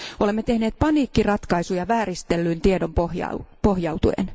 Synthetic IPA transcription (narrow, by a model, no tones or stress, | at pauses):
o̞lemːet̪e̞hne̞ːt̪̚pɑniːkːirɑt̪kɑisujɑʋæːɾist̪elːyːnt̪iedo̞mpohjɑ̰pohjɑwt̪uḛn